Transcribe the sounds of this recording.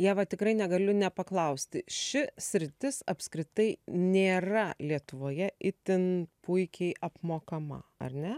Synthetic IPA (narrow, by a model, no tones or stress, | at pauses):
jæːʋɐt̪ʲɪkrɐɪnʲɛɡɐlʲʊnʲɛpɐklˠɐʊsʲt̪ʲɪʃʲɪsʲɾʲɪt̪ʲɪsɐpskɾʲɪt̪ɐɪnʲeːrɐlʲiɛt̪ʊʋoːjɛʔɪt̪ʲɪnpʊɪkʲɛɪʔɐpmoːkɐmɐ̰ɐ̰rʲnʲɛ